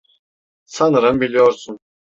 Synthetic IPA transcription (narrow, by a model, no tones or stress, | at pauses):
sanɯɾɯmbilʲijoɾsun